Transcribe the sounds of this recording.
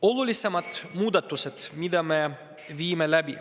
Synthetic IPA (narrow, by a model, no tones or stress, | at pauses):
olulise̞mɑt̪muːd̪ɑt̪ːˑuset̪mid̪̥ɑme | viːmelæb̥i